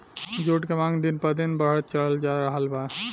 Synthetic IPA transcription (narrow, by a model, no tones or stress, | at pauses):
d͡ʒoʈkemãŋd̪inpəd̪inbəɦət̪̚t͡ʃələld͡ʒaɾəɦəlba